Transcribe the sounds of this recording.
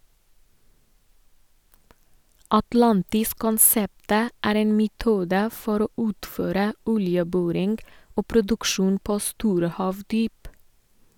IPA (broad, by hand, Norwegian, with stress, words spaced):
ɑtˈlɑntɪs kɔnˈsɛptə ˈæːɾ ˈeːn mɛˈtuːdə ˈfɔɾ ˈoː ˈʉːtføːɾə ˈɔljəˌbɔɾɪŋ ˈoː pɾʊdʉkˈʃuːn ˈpoː ˈstuːɾə ˈhɑːʋdyːp